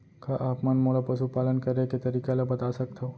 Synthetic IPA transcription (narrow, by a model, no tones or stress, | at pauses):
kʰaʔapmanmoɭapəʃupalənkəɾeket̪əɾikalapət̪asək̚t̪ʰəo